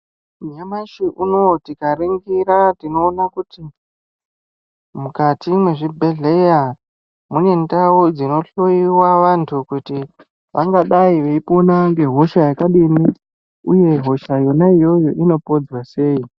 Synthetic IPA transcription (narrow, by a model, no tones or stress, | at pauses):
uɲamaʃiʔuno̞tikaɾeŋɡiɾatino̞ːnakuti | mukatimwe̞ʐibʱe̞ɮe̞ja | mune̞ndawod͡zino̞ɬoiwaʋantʰukuti | ʋaŋɡaɗaiʋe̞iponaŋɡe̞ɦo̞ʃajakaɗini | uje̞ɦo̞ʃajo̞naijo̞jo̞ʔino̞po̞d͡zwase̞ːi